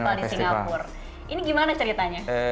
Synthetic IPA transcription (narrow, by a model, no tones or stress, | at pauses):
aldisiŋŋɡapʊr | ʔiniɡimanat͡ʃəɾit̪aɲa